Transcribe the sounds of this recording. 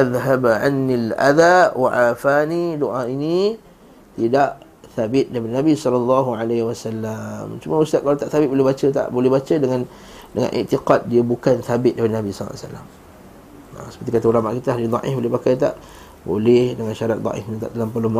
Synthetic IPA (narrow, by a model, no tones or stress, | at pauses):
ʔaðɦabʕa̰nːilʔa̰ðawaʔafanidoʔaini | t̪idaʔ | θabɪt̪̚dapinabisɔlɔlːɑɦuʕalehwasalːamt͡ʃumausaʔkalat̪aʔθabɪt̪̚bolɪhbat͡ʃət̪a̰ʔbolɛhbat͡ʃədəŋãn | dəŋã̰nʔḭʔt̪iqat̪̚diəbukanθabɪt̪̚dabinabisɔl̰ːsa̰lːa̰m | a̰səpərt̪ikat̪aulamaʔkit̪əalid̪ˤɑ̰ʔɪ̰fbolɪhbakajt̪̬a̰ʔ | bo̰lɪhdəŋanʃaɾat̪̚d̪ˤɑ̰ʔɪ̰fiɲit̪a̰ʔt̪əlampəluma